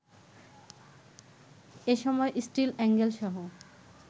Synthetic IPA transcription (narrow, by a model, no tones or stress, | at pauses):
eʃɔmɔeʔisʈilɛŋɡelʃɔɦo